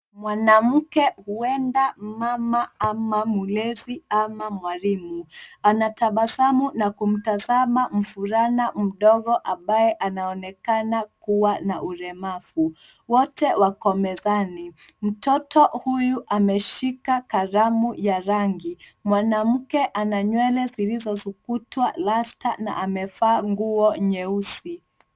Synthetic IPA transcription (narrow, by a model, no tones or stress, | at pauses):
mwanam̩kɛhuɛndamamaamamulɛðiamamwalimuanataɓaθamunakum̩tazamam̩fuɾanam̩ɗɔɣɔʔambajɛʔanaɔnɛkanakuwanaʔuɾɛmafu | wɔtɛwakɔmɛzani | m̩tɔtɔhujuʔamɛʃikakaɾamujaɾaŋɡimwanam̩kɛʔanaɲwɛlɛzilizɔzukutwalasta̰na̰ʔamɛfaːŋɡuɔɲɛusi